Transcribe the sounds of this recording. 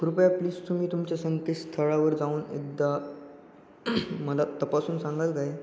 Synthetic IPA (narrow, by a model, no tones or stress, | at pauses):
kuɾupəjapliːst̪um̤iːt̪umt͡ɕjasənt̪esst̪ʰəɭaʋəɾd͡zauːnḛɡd̪a | məlat̪əpasuːnsãŋɡalkaɦe